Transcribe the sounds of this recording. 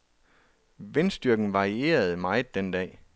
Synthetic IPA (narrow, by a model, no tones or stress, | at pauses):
ʋe̝nsd̥yɐɡ̥n̩ʋɑ̈ʁie̝̰ːɐð̞̩ˠmɑ̈ɪð̩ˠd̥end̥ɛ̰ː